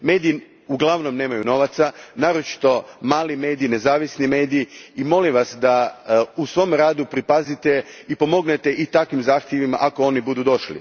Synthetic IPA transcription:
me̞ːd̪ii | uɡlˠaʋnomne̞ːmajuno̞ʋat̪sanaːɾot͡ʃi̥t̪o̞maːlime̞ːd̪iːne̞zaːʋisnime̞ːd̪iiimo̞limʋasd̪ausʋo̞ːmɾaːd̪upɾipazit̪e̞ipo̞mo̞ɡnet̪e̞ʔit̪akʋimzaːxt̪jeʋima̰ʔako̞o̞nibud̪ud̪o̞ʃlḭ

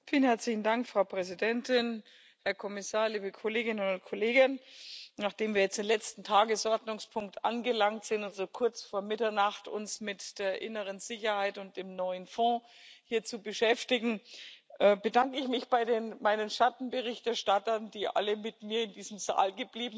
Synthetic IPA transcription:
fiːlənhɛɐt͡slɪçn̩daŋkfʁ̥aʊpʁ̥ɛzidɛntɪn | hɛɐkʰɔmɪsaːɐliːbəkʰoleːɡɪnnʊntkʰoleːɡɪnnaːχd̥eːmviːɐjɛt͡sd̥eːnlɛt͡stn̩tʰaːɡəsʔɔɐdnʊŋspʰʊŋk̚tʔa̰nɡəlaŋtz̥ɪntalzokʰʊɐt͡sfoːɐmɪtɐnaχtʊ̰nsmɪtd̥eːɐʔɪ̰nəʁ̞ənzɪçɐhaɪtʊnt̚d̥eːmnɔʏənfɔ̃ːhiːɐt͡subəʃɛftɪɡŋ̩ʔɛːbədaŋkəɪçmɪçb̥aɪdeːnmaɪnənʃatn̩bəʁ̞ɪçtɛɐʃtatɐndiːʔa̰ləmɪtmiːɐɪndiːzəm̩za̰ːlɡəbliːbm̩

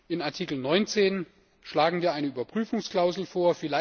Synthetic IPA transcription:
ʔɪnaɐtʰiːkl̩nɔʏnt͡seːn | ʃlaːɡŋ̩viːɐʔaɪnəʔyːbɐpʁ̥yːfʊŋskl̥aʊzl̩foːɐfɪlaɪ

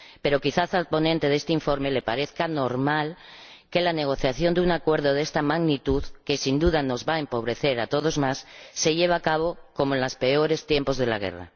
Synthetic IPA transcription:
pe̞ɾo̞kiθaθalpo̞nẽnt̪e̞ðe̞st̪eiɱfo̞ɾme̞lepaɾe̞θkano̞ɾmalke̞lane̞ɣ̞o̞θjaθjo̞nd̪euŋakwe̞ɾð̞o̞ðe̞st̪amaɣnit̪uðke̞sind̪uðano̞zβaempo̞βɾe̞θe̞ɾat̪o̞ð̞o̞zmasːe̞ʎe̞β̞akaβ̞o̞ko̞moenlaspe̞o̞ɾe̞st̪je̞mpo̞zðe̞la̰ɣ̞e̞̰ra̰

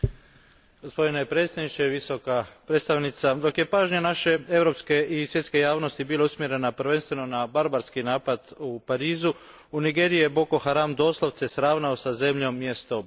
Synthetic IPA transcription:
ɡospo̞d̪inepɾe̞t̪st̪adnit͡ʃeʋiso̞kapɾet̪st̪aʋnit̪sad̪o̞kje̞paːʒɲenaʃe̞e̞ʋɾo̞pske̞ʔisʋjet̪ke̞jaːʋno̞st̪ibiːlˠeusmje̞ɾe̞napɾ̩ʋe̞nst̪ʋe̞no̞nabaɾbaɾskinaːpad̪upaɾiːzu | uniɡe̞ɾijebo̞koxaɾamd̪o̞ːslˠoʋt̪sesɾaːʋnaosaze̞mʎomːjest̪o̞

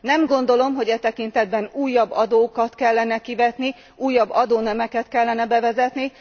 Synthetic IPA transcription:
nɛmɡo̞n̪d̪o̞lo̞mɦo̞ɟɛt̪ɛkint̪ɛd̪̚bɛnuːjːɒbːɒd̪oːkɒt̪kɛlːɛnɛkivɛt̪ni | uːjːɒbːɒd̪oːnɛmɛkɛt̪kɛlːɛnɛbɛvɛzɛt̪ni

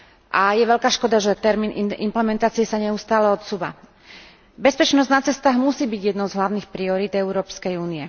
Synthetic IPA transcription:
ʔajɛʋɛʎkaːʃkɔd̪aʒɛt̪ɛɾmiːniḭmplɛmɛnt̪aːt͡siɛsaɲɛust̪aːlɛɔt̪suːʋa̰ | bɛspɛt͡ʃnɔznat͡sɛst̪aːɣmusiːbiɟjɛd̪nɔʊzɦlaʊniːxpɾiɔɾiːd̪ɛʊɾɔːpskɛjuːniɛ

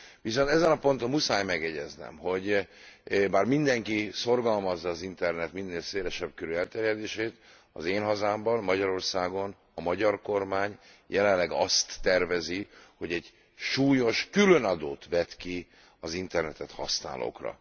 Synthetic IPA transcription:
ʋis̬o̞nt̪ɛzɛnɒpo̞nt̪omusaːjmɛɡjɛɟɛznɛ̰mɦo̞ɟ | baːrmind̪ɛŋkiso̞rɡɒlmɒzːɒːzint̪ɛrnɛt̪minːeːlseːlɛʃɛb̚køɾyɛlt̪ɛɾjɛd̪eːʃeːt̪ | ɒ̰zeːnɦɒzaːmbɒnmɒɟɒɾo̞rsaːɡo̞n | ɒmɒɟɒrko̞rmaːɲ | jɛlɛnlɛɡɒst̪ːɛrvɛziho̞ɟɛɟ | ʃuːjo̞ʃkylø̞nɒd̪oːt̪ʋɛt̪ki | ɒzint̪ɛrnɛt̪ɛt̪hɒ̰sna̰ːlʔo̰ːkrɒ̰

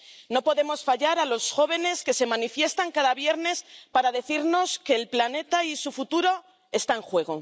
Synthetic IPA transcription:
no̞po̞ðe̞mo̞sfaʝaɾalo̞sxo̞β̞e̞ne̞ske̞se̞mãnifje̞st̪aŋkaðaβje̞ɾne̞spaɾaðe̞θiɾno̞ske̞ːlplane̞t̪aisufut̪uɾo̞ | e̞st̪aeŋxwe̞ɣ̞o

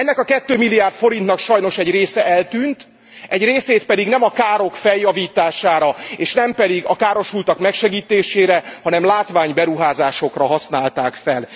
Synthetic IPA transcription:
ɛnːɛkɒkɛt̪ːøːmilːijaːrt̪fo̞ɾint̪nɒkʃɒjno̞ʃɛɟreːsɛʔɛlt̪yːnt̪ | ɛɟreːseːt̪̚pɛd̪iɡnɛmɒkaːɾo̞kfɛljːɒviːt̪aːʃaːɾɒeːʃnɛmpɛd̪iɡɒkaːɾo̞ʃult̪ɒkmɛkʃɛɡiːt̪eːʃeːɾɛhɒnɛmlaːt̪ʋaːɲbɛɾuɦaːzaːʃo̞krɒɦɒsnaːlt̪aːkfɛl

